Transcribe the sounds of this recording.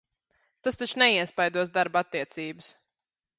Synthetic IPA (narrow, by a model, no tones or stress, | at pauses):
t̪ast̪at͡ʃnɛiɛspajd̪uɔs̬d̪aɾbat̪ːiɛt̪siːbəs